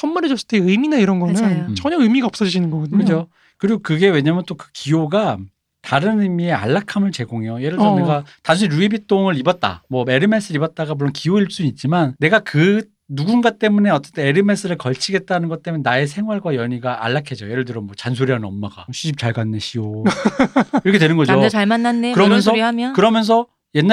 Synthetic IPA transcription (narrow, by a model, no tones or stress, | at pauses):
sʰʌnmaɾed͡ʑʌs͈ɯt͈eɯminaiɾʌnɡʌnɯt͡ɕʌɲʌɯmiɡaʌps͈ʌd͡ʑid͡ʑinɯnɡʌɡʌkɯd͡ʑo | kɯɾiɡokɯɡe̞we̞ɲamjʌnt͈okɯkijoɡa | taɾɯnɯmie̞a̰ɭːakʰamɯɭt͡ɕe̞ɡoŋɦe̞joje̞ɾɯɭdɯɾʌneɡataŋsʰɯnɾuibit͈ʰoŋɯɾibʌt̚t͈a̰mwʌe̞ɾɯmes͈ʰɯɾibʌt̚t͈aɡamuɭːonkijoiɭs͈uit̚t͡ɕ͈imanːe̞ɡakɯ | nuɡunɡat͈e̞mune̞ʌt͡ɕ͈etʰeeɾɯme̞s͈ɯɾɯɭkʌɭt͡ɕʰiɡe̞t̚t͈anɯnɡʌt͈emunenae̞sʰe̞ŋɦwaɭɡwajʌɲiɡaʔa̰ɭːakʰed͡ʑoje̞ɾɯɭdɯɾʌmwʌt͡ɕansʰoɾiannʌmːaɡa̰ɕʰiɕʰip̚t͡ɕaɭɡanːe̞ɕʰio | iɾʌkʰewe̞nɯnɡʌd͡ʑot͡ɕamanːanːekɯɾʌmʌns̬ʰʌmʌkɯɾʌmjʌns̬ʰʌ | jenː